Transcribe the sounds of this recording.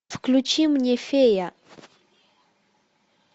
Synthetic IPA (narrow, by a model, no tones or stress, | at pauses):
fklut͡ʃimuɲɛfɛja